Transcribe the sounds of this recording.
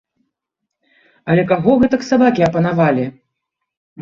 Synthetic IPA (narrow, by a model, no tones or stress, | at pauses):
ɐlʲɛkaɣɔɣɛt̪ɐksabakʲiɐpɐnavalʲi